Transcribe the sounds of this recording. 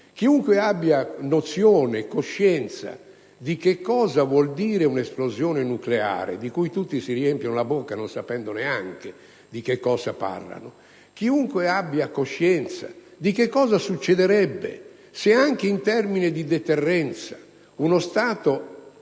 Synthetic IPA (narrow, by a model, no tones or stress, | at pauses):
kiuŋkweabːjanot̪sjɔːnekoʃːɛnt̪sa̰ | d̪ikekːɔːzavwɔld̪iːɾeunesplozjɔːnenuklea̰ːɾḛd̪ikujt̪ut̪ːisiriɛmpjonolabokːanonsapɛnd̪oneaŋk̟e | d̪ikekːɔːzapa̰rla̰no | kiuŋkweabːjakoʃːɛnt̪sa̰d̪ikekːɔːzasut͡ʃːɛd̪ɛɾɛbːḛ | seaŋk̟eint̪ɛrmined̪id̪ɛt̪ɛrːɛnt̪sa | unost̪aːt̪o